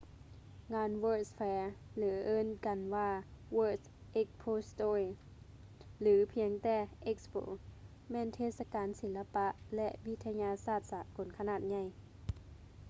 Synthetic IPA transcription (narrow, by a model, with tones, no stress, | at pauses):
ŋaː˧˥nwɤː˧˩sfɛː˧lɯː˩˦ʔɤː˧˥˨nka˨˩nwaː˧˩wɤː˧˩ | ʔe˧˥k̚pʰoː˧st̪oː˧˩i˧˩ | lɯː˩˦pʰi˧əŋt̪ɛː˧˩ʔe˧k̚spo̰ː˨˦ | mɛː˧˥˨nt̪ʰeː˧˩t̪̚sa˧kaː˨˦nsi˩˦la˧pa˧ʔlɛ˧ʔwi˧t̪ʰa˧ɲaː˧saː˧˩t̪̚saː˨˦ko˨˦nkʰa˧naː˧˩t̪̚ɲa˧˥˩j